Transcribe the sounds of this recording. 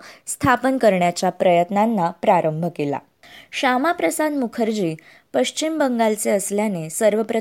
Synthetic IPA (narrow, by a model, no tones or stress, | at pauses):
st̪ʰapənkəɾɳjat͡ɕjapɾəjət̪nanːapɾaɾəmbʱəkela̰ | ɕamapɾəsad̪mukʰəɾd͡ʑiː | pəɕt͡ɕimbəŋɡalt͡seəsljanesəɾʋəpɾə